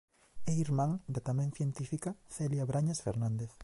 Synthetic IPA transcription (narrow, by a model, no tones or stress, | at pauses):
eiɾmãŋd̪at̪amɛ̃ŋθjent̪ifikaθeljaβɾaɲasfḛɾnãnd̪eθ